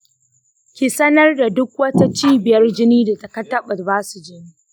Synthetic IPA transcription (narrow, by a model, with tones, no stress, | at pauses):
kʲi˨sɐ˦nɐ˦rda˨dʊ˦k̚wɐ˦ta˦t͡ʃiː˦bɪ˨jɐ˦rd͡ʒɪ˦niː˦da˨tɐ˨kɐ˦tːɐ˦ɓɐ˨rbaː˦su˨d͡ʒɪ˦niː˦